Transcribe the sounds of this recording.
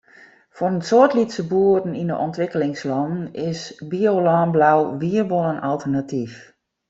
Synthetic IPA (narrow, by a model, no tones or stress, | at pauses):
fɔrənsoətlitsəbuədn̩inə̰ʔɔntʋɪkəlɪŋslɔndn̩ɪsbiolɔːnblawʋiərbolˠənalˠtərnatʰif